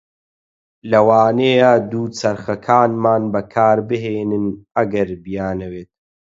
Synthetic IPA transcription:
lɐwaːneːjad̪uːt͡sɐɾxɐkʰaːnmaːnbɐkʰaːɾbɨɦeːnɨnɐɡɐɾbijaːnɐweːt̪̚

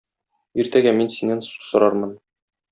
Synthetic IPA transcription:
iɾt̪æɡæminsinænsu̥sɤ̆ɾɑɾmɤn

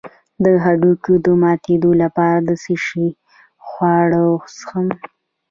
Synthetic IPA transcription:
d̪əɦaɖukod̪əmɑt̪ed̪olapɑɾad̪əsiʂi | xwɑɽosxəm

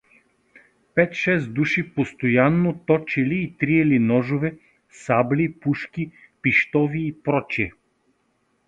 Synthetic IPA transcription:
pɛt̪ʃɛsd̪uʃipost̪ojanːot̪ɔt͡ʃiliːt̪ɾiɛlinɔʒovɛ | sablipuʃkʲi | piʃt̪ɔviːpɾɔt͡ʃiɛ

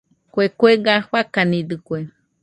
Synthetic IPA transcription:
kwekweɡahwakanĩd̪ɨkwe

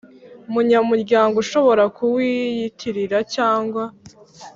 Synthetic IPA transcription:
umuɲamuɾɟaːŋɡoʃo̞βo̞ɾakuwijitʰiɾiɾacaːŋɡwa

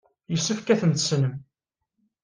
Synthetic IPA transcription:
jəsːəfkæθənt̪əsnəm

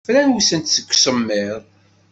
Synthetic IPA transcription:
flænwusənt̪səkʷːsəmːɪðˤ

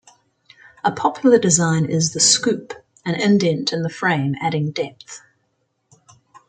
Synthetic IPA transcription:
əpʰɒpʰjl̩ˠədɪzɑ̃ɪ̃nɪzðəskʉˑp | ə̃nɪ̃ndɛ̃ntʰɨ̃nðəfɹẽɪ̃mæɾɪ̃ŋdɛp̚θ

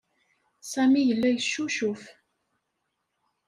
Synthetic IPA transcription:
sæmijəlːæjʃːuʃuf

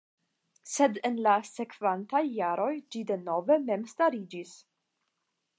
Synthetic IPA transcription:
se̞denlase̞kvantajːaɾʔo̞jd͡ʒide̞no̞ve̞me̞mstaɾid͡ʒis

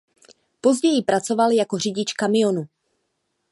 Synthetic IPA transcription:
po̞zɟɛjɪpɾat͡so̞valjako̞r̝ɪɟɪt͡ʃkamɪjo̞nu

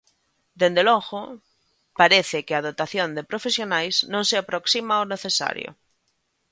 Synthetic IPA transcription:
d̪end̪eloɣo | paɾeθekeað̞ot̪aθjond̪epɾofesjonajznõŋseapɾoksimaoneθesa̰ɾjo̰

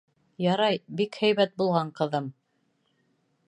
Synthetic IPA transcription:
jɑɾɑjbikhæjβæt̪̚bulˠʁɑɴqɤ̆ðɤm

